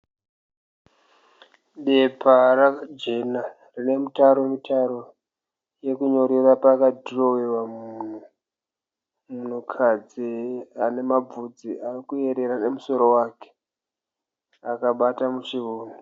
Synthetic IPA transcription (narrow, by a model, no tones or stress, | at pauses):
ɗepʰarad͡ʒena | rine̞mutaɾo̞mitʰaɾo | je̞kuɲo̞ɾerapakadʱiro̞wewamuuːn̤u | mun̤ukʰad͡ziane̞mab͡vud͡ziʔaikue̞ɾe̞ɾane̞muso̞ɾo̞waːke̥ | akaɓatamut͡ʃiʋoːni